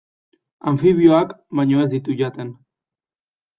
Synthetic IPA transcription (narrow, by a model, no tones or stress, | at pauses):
aɱfiβ̞io̞akβajɲo̞e̞zd̪it̪uʝat̪e̞n